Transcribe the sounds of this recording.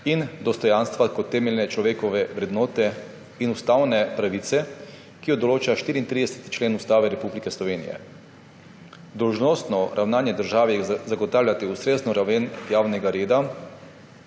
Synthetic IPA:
ind̪ɔst̪ɔjaːnst̪ʋakɔt̪ːɛːmɛlʲnɛt͡ʃlɔʋeːkɔʋɛʋɾɛd̪nɔːt̪ɛ | inust̪aːwnɛpɾaʋiːt̪sɛ | kijɔd̪ɔloːt͡ʃaʃt̪iːɾiːnt̪ɾid̪ɛsɛ̥t̪i̥t͡ʃleːnust̪aːʋɛɾɛpublikɛslɔʋeːnḭjɛ̰ | d̪ɔwʒnɔːst̪nɔɾʔawnaːnjɛd̪əɾʒaːʋiɛzaɡɔt̪aːwlʲjʲat̪iust̪ɾeːznɔɾaʋenjaːwnɛɡaɾeːd̪a

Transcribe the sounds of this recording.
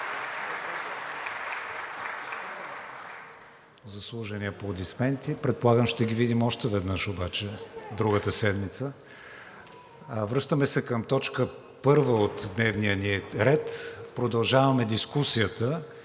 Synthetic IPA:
zɐslˠuʒɐniəpod̪ismɛnt̪ipɾɛt̪̚polˠaɡəmt͡ʃt̪ɛɡivid̪imɔʃt̪ɛvɛd̪nɤʃobat͡ʃɛd̪ɾuɡət̪əsɛd̪mit̪sə | vɾɤʃt̪əmɛsɛkəmt̪ɔt͡ʃkə | pɤɾvəot̪d̪nɛvnijəniɾɛt̪pɾod̪ɐlˠʒavɐmɛd̪iskusiət̪ə

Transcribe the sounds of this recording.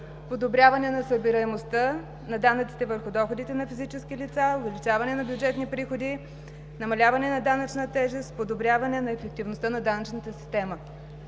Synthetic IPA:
pod̪obɾʲjavɐnɛnɐsəbiɾɐɛmost̪ə | nɐd̪anət̪si̥t̪ɛvəɾxʊd̪ɔxod̪it̪ɛnɐfizit͡ʃɛskilit̪saovɛlit͡ʃavɐnɛnɐbʲjʊd͡ʒɛt̪nipɾixod̪i | nɐmɐlʲavɐnɛnɐd̪anɐt͡ʃnət̪ɛʒɛst̪̚pod̪obɾʲjavɐnɛnɐɛfɛk̚t̪ivnost̪ənɐd̪anɐt͡ʃnət̪əsi̥st̪ɛmə

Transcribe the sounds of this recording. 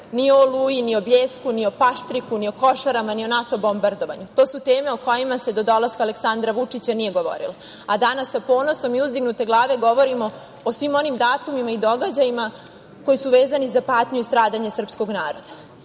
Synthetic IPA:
niolujinio̞bʎeːskunio̞paʃt̪ɾikunio̞ko̞ʃaɾamanio̞nat̪o̞bo̞mbaɾd̪o̞ʋaɲut̪o̞ːsut̪eːme̞oko̞jimase̞d̪o̞d̪o̞laskaleksand̪ɾaʋut͡ʂit͡ɕanije̞ɡo̞ʋo̞̰ɾḭla | ad̪anasːapo̞ːno̞so̞miuzd̪iɡnut̪e̞ɡlˠaːʋe̞ɡo̞ʋo̞ɾimo̞ | osʋimo̞nimd̪aːt̪umimaid̪o̞ɡad͡ʑajima | ko̞jisuʋe̞ːzanizapaːt̪ɲuist̪ɾaːd̪aɲesr̩psko̞ɡnaːɾo̞d̪a

